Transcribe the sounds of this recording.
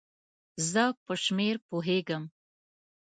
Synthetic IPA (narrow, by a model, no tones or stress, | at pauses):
zəpəʃmeɾpoɦeɡəm